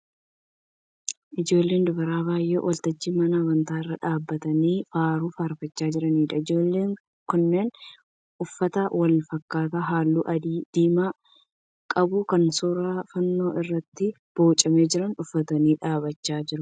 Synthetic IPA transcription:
ʔɪd͡ʒo̞ːlːe̞ːnd̪ʊbɐɾaːβaːjʔḛːwɐlt̪ɐd͡ʒːiːmɐnɐːbɐnt̪aːɪrːɐᶑaːbːɐt̪ɐniːfaːɾuːfaːɾfɐt͡ʃːaːd͡ʒɪɾɐniːᶑɐɪd͡ʒoːlːe̞ːŋ | kʊnːe̞ːn | ʔʊfːɐt̪ɐwɐlfɐkːaːt̪aɦaːlːuːʔɐd̪iːd̪̥iːmaː | kʼɐbukɐnsuːɾaːfɐnːo̞ːʔɪrːɐt̪ːɪ | b̥oːt͡ʃʼɐme̞ːd͡ʒɪɾɐnʊfːɐt̪ɐniːᶑaːβɐt͡ʃːaːd͡ʒɪɾʊ

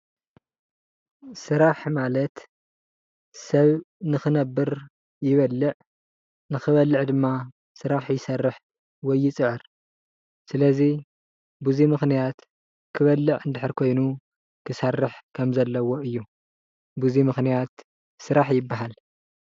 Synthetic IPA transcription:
sɨɾaħmalɐt̪ | sɐβnɨxɨnɐbːɨɾ | jɪβɐlːɨʕ | nɨxɨβɐlːɨʕd̪ɨmːa | sɨɾaħjɪsɐrːɨħ | wɔjːɪt͡sʼɨʕɨɾ | sɨlɐzi | bɨzimɨxnijat̪ | kʰɨβɐlːɨʕɨnd̪ɨħɨɾkʰo̞jnu | kʰɨsarːɨħkʰɐmzɐlːɐwo̞ɨjːu | buzimɨxnijat̪ | sɨɾaħjɪbːaɦal

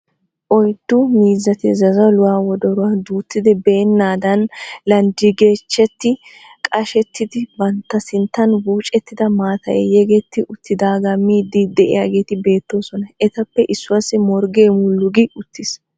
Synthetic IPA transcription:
ʔɔjt̪ːʊmiːzːɐt̪ɪzɐzɐwlʊwaːwɔd̪ɔɾʊwaːd̪uːt̪ːɪd̪ɛbe̞ːnːaːd̪ɐnlɐnd̪iɡe̞ːt͡ʃːɛt̪ːɪ | kʼɐʃɛt̪ːɪd̪ɪbɐnt̪ːɐsɪnt̪ːɐnwuːt͡ʃʼːɛt̪ːɪd̪ɐmaːt̪ɐ̰jɛ̰jɛɡeːt̪ːɪʔʊt̪ːɪd̪aːɡɐmːiːd̪iːd̪ɛʔɪ̰jaːɡe̞ːt̪ɪbe̞ːt̪ːo̞ːsɔnɐʔɛt̪ɐpːɛʔɪsːʊwɐsːɪmɔɾɡeːmʊlːʊɡɪʊt̪ːɪs

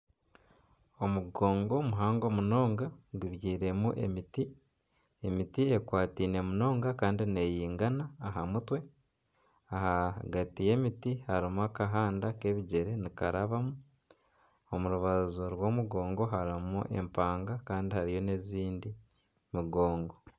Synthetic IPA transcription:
o̞muɡo̞ːŋɡo̞muɦaːŋɡo̞muno̞ːŋɡaɡuβjiːɾe̞muʔe̞̰miti | emitiekwaːtiːne̞muno̞ːŋɡakaːndine̞jiːŋɡanaːɦamutwe̞ | ahaɡatije̞ːmitihaɾimuakaɦaːndake̞βiɟe̞ɾe̞nikaɾaβamu | omuɾuβazoɾwo̞ːmuɡo̞ːŋɡo̞ɦaɾimuʔe̞̰mpaːŋɡakaːndihaɾijo̞ne̞ziːndi | miɡo̞ːŋɡo̞

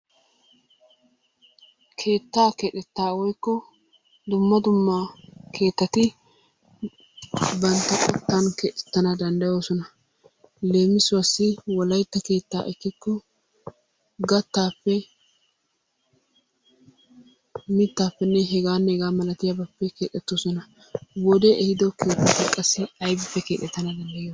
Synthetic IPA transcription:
kʰe̞ːt̪ːaːkɛᶑɛt̪ːaːwɔjkːɔ | d̪ʊmːɐd̪ʊmːakʰe̞ːt̪ːɐt̪ɪ | bɐnt̪ːɐkʼɔt̪ːankɛᶑɛt̪ːɐnɐd̪ɐnd̪ɐjo̞ːsɔnɐ | le̞ːmɪsʊɐsːɪwɔlɐjt̪ːɐke̞ːt̪ːa̰ːʔɛkːɪkːɔ | ɡɐt̪ːaːpːɛ | mɪt̪ːaːpːɛnːɛɦɛɡaːnːɛɡaːmɐlɐt̪ɪjɐbɐpːɛke̞ːt̪ʼːɛt̪ːosɔnɐ | wɔd̪ɛʔɛhɪd̪ɔke̞ːt̪ːɐt̪ːɐkʼɐsːɪɐjbɪfːɛke̞ːt̪ːɛt̪ːɐnɐd̪ɐnd̪ɐjɪjo

